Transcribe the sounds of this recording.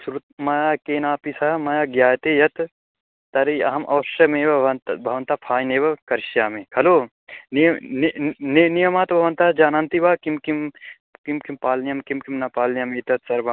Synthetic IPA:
sɾut̪̚mɐjaːkeːnaːpisamɐjaːɡjaːjt̪eːjɐt̪ | t̪ɐɾiɐ̰ɦɐmʔɐ̰ʋɐʃɾɐmeːʋɐɐnt̪bʱɐʋɐnt̪aːpʰaːjneːʋɐkɐɾʃjaːmẽkʰɐloː | ninnnijɐmaːt̪bʱɐʋɐnt̪aːd͡ʒaːnaːnt̪ibaːkimkim | kimkimpaːlnjɐmkimkimnɐpaːlnjɐmit̪ɐt̪sɐɾbɐ

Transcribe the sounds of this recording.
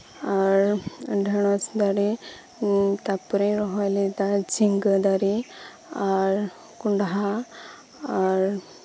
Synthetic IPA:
aɾɖʱəɽ̃ɔt͡sd̪aɾi | t̪apuɾẽɾɔɦajlid̪ad͡ʑiŋɡəd̪aɾi | aɾ | kuɳɖaɦa | aɾ

